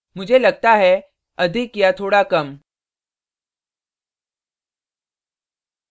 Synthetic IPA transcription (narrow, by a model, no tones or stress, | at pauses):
mʊd͡ʒʱelɐɡ̚t̪aɦɛ | ɐd̪ʱikjat̪ʰoːɽakɐm